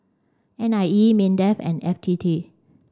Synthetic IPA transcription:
ʔɛ̃najimĩndɛfɛ̰̃nɛftʰitʰi

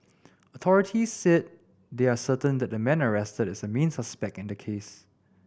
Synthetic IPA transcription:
ɔtʰɔɹɪtʰisːɛt̚ | deasətə̃ndɛt̚dəmɛ̃nəɹɛstədɪsəmẽnsaspɛk̚tɪ̃ndəkʰes

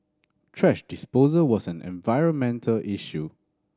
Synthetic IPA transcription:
tʰɹɛʃdɪspozəwɔsɛ̃nɛ̰̃nvaɪɹə̃nmɛ̃ntʰəlʔiʃu

